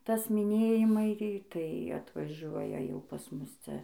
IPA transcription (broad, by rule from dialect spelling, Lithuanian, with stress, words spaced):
ˈtɐs mʲɪˈnʲeːjɪmɐɪ tɐɪ ɐtʋɐˈʒuɔjɛ jɛʊ pɐs ˈmʊs ˈt͡sʲɛ